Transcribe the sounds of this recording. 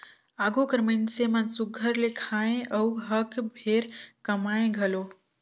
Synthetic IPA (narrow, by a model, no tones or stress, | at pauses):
aːɡokəɾmənsemənsʊɡʱəɾlekʰaːẽʔəwɦəkbʱeːɾkəmaːẽɡʱəlo